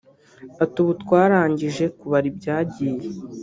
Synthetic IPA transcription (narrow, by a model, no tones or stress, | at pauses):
atuβutkwaːɾaːɲɟiʒe̞kuβaɾibɟaːɟiːje